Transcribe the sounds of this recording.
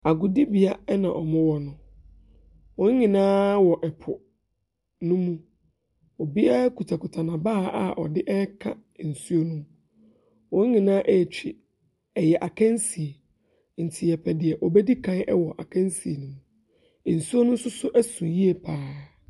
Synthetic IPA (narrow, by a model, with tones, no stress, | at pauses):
a˨ɡʊ˨di˦bi˨a˦ɛ˦nã˨ʔɔ˨mʊ̃˦wɔ˦nʊ̃˦ | wɔ̃˨˦ɲɪ̃˨nãː˦wɔ˨ʔɛ˨pʰʊ˨ | nʊ̃˦mũ˦ | ɔ˨bi˦a˦kʰu˨tʰa˨kʊ˨tʰa˨nã˨baː˦˨a̰˨ʔɔ̰˨dɪ˦ʔɛ˦kʰa˦˨n̩˨su˦o˦nũ˦ | wɔ̃˨˦ŋ̩˦ɲɪ̃˨nãː˦ʔɛ˦˨t͡ɕᶣi˨ | ɛ˨jɛ˨ʔa˨kʰɛ̃˦n˦si˨e˨ | n̩˨tʰɪ˨ɛ˨pʰɛ˨dɪ˨ɛ˨ʔɔ˨bɛ˦di˦kʰã˦ɛ˦wɔ˨ʔa˨kʰã˦n˦si˨e˨nũ˦mũ˦˨ | n̩˨su˦o˦nʊ̃˦n̩˦sʊ˦sʊ˦ʔɛ˦sũ˨ji˦e˨pʰaː˦